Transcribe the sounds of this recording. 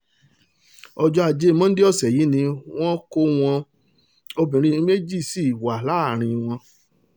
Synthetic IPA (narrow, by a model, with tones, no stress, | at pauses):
ɔ˧d͡ʒɔ˧a˨d͡ʒe˦mɔ̃˦n̩˦de˦ɔ˦˨sɛ˨ji˨˦nĩ˧w̃ɔ̃˦ko˧w̃ɔ̃˧ | o˧bĩ˨ɾ̃ĩ˧˦me˦d͡ʒi˦˨si˦˨wa˨la˨˦˨ɾ̃ĩ˧w̃ɔ̃˧